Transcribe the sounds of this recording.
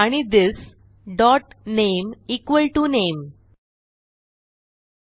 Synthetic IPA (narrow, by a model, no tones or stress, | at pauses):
aɽ̃id̪ɪs | ɖɔʈnemiːkʋəlʈunem